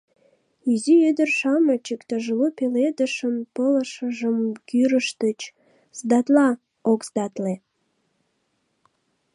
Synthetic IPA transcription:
iziød̪ərʃɑmət͡ɕəkt̪ɑʒəlopeled̪əʃəmpələʃəʒəmkyɾəʃt̪ət͡ɕ | zd̪ɑt̪lɑ | okzd̪ɑt̪le

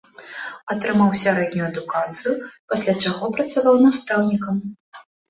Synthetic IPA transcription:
ɐt̪ɾɨmawsʲaɾɛd̪ʲnʲujuɐd̪ukat̪sɨjupasʲlʲat͡ʂaɣɔpɾɐt̪savawnast̪awnʲikɐm

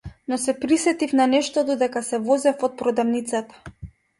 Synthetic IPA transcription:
nɔsɛpɾisɛt̪ifnanɛʃt̪ɔd̪ɔd̪ɛkasɛvɔzɛfɔt̪̚pɾɔd̪avnit̪sat̪ḁ

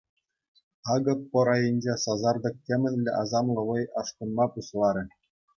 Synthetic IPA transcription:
ɑɡɤ̆pːɤ̆ɾɑjɘ̆nʲd͡ʑesɑzɑrd̪ɤ̆k̚tʲːemʲɘ̆nʲlʲːɘ̆ʔɑzɑmlˠɤ̆ʋɤ̆jɑʂkɤ̆nmɑpuslˠɑɾʲɘ̆

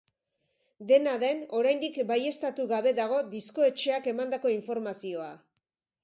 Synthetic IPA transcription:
d̪e̞naðe̞no̞ɾajnd̪ikbaje̞st̪at̪uɣaβe̞ðaɣ̞o̞d̪isko̞e̞t͡ʃe̞ake̞mand̪ako̞iɱfo̞ɾmasio̞a

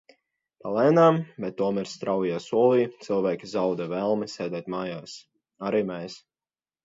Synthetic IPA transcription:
palˠɛːnaːmbɛt̪ːuɔmɛɾst̪ɾawijaːsuɔlˠiːt̪sɨlˠvæːkʲizawd̪ɛvɛlˠmisʲɛːd̪ɛːt̪maːjaːs | aɾiːmɛːs

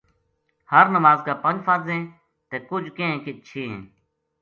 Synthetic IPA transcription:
həɾnəʋaːzkaːpə̃nd͡ʒfaːzẽː | t̪eːkʊd͡ʒʱkẽːkɪt͡ʃʰĩː

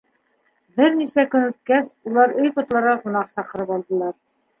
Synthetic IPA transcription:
bɘɾnisækɵnɵ̆t̪̚kæsulˠɑɾɵjqŏt̪lˠɑɾʁɑʁŭnɑqsɑqɤ̆ɾɤpɑlˠd̪ɤ̆lˠɑɾ

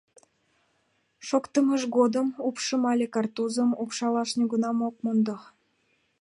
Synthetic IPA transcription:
ʃokt̪əməʃɣod̪əmupʃəmɑlʲekɑrt̪uzəmupʃɑlɑʃnʲuɡənɑmok̚mond̪o

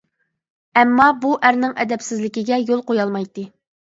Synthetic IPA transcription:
ɛmːɑbuʔæɾnɪŋɛ̰d̪ɛpsɪzlɪkʲiɡʲɛjolˠqojɑlˠmɑjt̪ːɨ

